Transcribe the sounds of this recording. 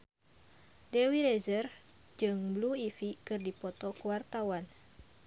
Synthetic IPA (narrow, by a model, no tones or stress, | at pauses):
dɛwiɾɛzər | d͡ʒɨŋbluifikɨrdipɔt̪ɔkuwart̪awan